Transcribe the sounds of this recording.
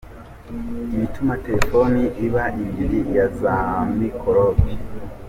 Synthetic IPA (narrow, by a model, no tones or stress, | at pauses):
jitumateɾefoniʔiβaʔimiɾijazamikʰoɾobi